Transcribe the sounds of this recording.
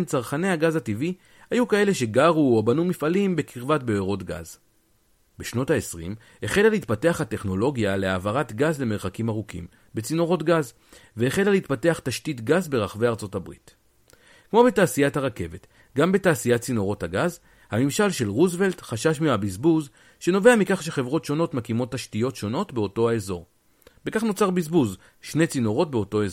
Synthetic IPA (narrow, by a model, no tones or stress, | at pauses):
nt͡saʁχane̞haɡazhativi | hajukae̞le̞ʃe̞ɡaʁuobanumifalimbe̞kʰiʁvatbeeʁo̞tɡa̰z | beʃno̞thaesʁḭm | heχe̞laleit̚pate̞aχhate̞χno̞lo̞ɡjaleavaʁatɡazle̞me̞ʁχakimaʁukḭm | be̞t͡sino̞ʁo̞tɡaz | veːχe̞laleitpate̞aχtaʃtitɡazbe̞ʁaχve̞jaʁt͡so̞tabʁḭt | kmo̞be̞taːsijathaʁake̞ve̞t | ɡambe̞taːsijat̚t͡sino̞ʁo̞thaɡaz | hamimʃalʃe̞lʁuzve̞ltχaʃaʃmiabizbuz | ʃe̞no̞veamikaχʃe̞χe̞vʁo̞tʃo̞no̞tmakimo̞tːaʃtijo̞tʃo̞no̞tbeo̞to̞aezo̞ʁ | be̞kaχno̞t͡saʁbizbuz | ʃne̞t͡sino̞ʁo̞tbeo̞to̞ez